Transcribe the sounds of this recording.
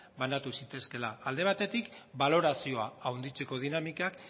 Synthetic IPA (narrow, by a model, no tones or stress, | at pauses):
banat̪usit̪e̞ske̞laːld̪e̞βat̪e̞t̪ikbalo̞ɾasio̞aawnd̪it͡seko̞ð̞inamikak